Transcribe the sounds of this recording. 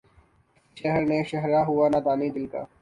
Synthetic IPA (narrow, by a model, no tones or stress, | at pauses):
ʃɐɦɾneʃɐɦɾaɦʊanad̪aːmid̪ɪlka̰ː